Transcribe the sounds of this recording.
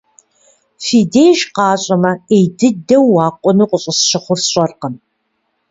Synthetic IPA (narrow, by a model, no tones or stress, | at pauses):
fiːdeːjʒqɑːɕʼɐmɐejdɨdɐwːɑːqʷʼɔnɨqʷʼʊɕʼɪsʃɪχʷʊrsɕʼɐrqən